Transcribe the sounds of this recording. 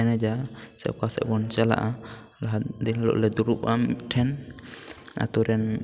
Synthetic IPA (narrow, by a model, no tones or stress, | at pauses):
ɛnɛd͡ʒa | sɛ̰kasɛ̰ʔbɔnt͡ʃɛla̰ʔa | laɦat̪d̪inlɔ̰ʔlɛd̪uɾupaʈʰɛn | a̰t̪ɔɾɛn